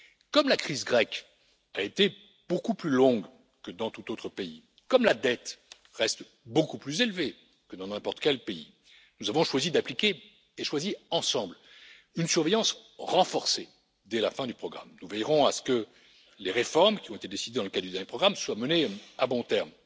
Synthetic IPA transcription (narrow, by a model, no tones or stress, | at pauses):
kɔmlakχizɡʁɛk | aet̪e | b̥okuplylɔ̃ɡ | kəd̪ɑ̃t̪ut̪ot̪χəpei | kɔmlad̪ɛt̪ | ʁɛst̪ | bokuplyzelve | kəd̪ɑ̃nɛ̃pɔʁt̪kʲɛlpeḭ | nuzavɔ̃ʃwazid̪aplikʲeː | ʃwaziɑ̃sɑ̃bl | ynsyʁvejɑ̃sʁɑ̃fɔʁse | d̪ɛlafɛ̃d̪ypχɔɡʁa̰mnuvɛjʁɔ̃asə̥kə | leʁefɔʁmkʲiɔ̃et̪ed̪esid̪ed̪ɑ̃ləkad̪d̪yd̪ɛʁnjepʰχɔɡʁamswaməneabɔ̃t̪ɛʁm